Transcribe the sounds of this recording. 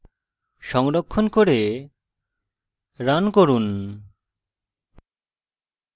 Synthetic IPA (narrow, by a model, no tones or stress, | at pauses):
ʃɔŋɾɔkʰːɔnkoɾe | ɾankoɾun